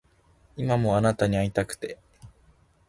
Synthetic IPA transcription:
imamo̞anat̪aɲ̟iait̪akɯ̟̥t̪e̞

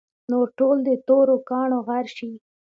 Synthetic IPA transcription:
noɾʈold̪ət̪oɾokɑɳoɣaɾʃi

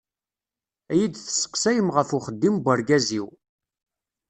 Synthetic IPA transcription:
æjid̪θə̥sːə̥qsæjəmʁəfuχəd̪ːimbʷəɾɡæziw

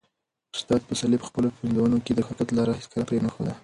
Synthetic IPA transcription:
ʊst̪ɑt̪̚pəsalipə̥xpəlopind̪awunoked̪əxʊkat̪lɑɾɑxiskəlapɾenəxo̰d̪a

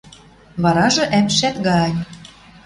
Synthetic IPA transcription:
βɑɾɑʒɤ̆ʔæmʃæt̪ɡɑjʲ

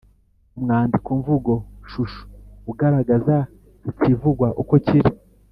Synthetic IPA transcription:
umŋaːndikuɱvuɡo̞ʃuʃu̥uɡaɾaɡaza | itivuɡwaʔukociɾi

